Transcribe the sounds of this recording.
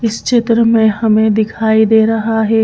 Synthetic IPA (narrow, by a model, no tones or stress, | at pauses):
ɪst͡ʃet̪ɾəmẽhɐmẽd̪ɪkʰaːid̪eːɾɐɦaɦɛː